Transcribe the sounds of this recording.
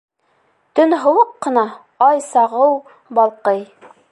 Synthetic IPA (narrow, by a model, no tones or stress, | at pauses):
t̪ɵnɦɤ̆wɤqːɤ̆nɑ | ɑjsɑʁɤw | bɑlˠqɤj